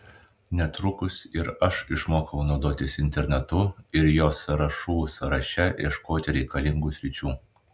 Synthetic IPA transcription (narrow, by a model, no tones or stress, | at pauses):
nʲɛt̪ɾʊkʊsɪɾɐʃɪʃmoːkɐʊnɔʊd̪oːt̪ʲɪsɪnʲt̪ʲɛɾʲnʲɛt̪ʊɪɾjoːsɐɾɐʃuːsɐɾɐʃʲɛjiɛʃkoːt̪ʲɪɾʲɛɪkɐlʲɪŋɡuːsʲɾʲɪt͡ʃʲuː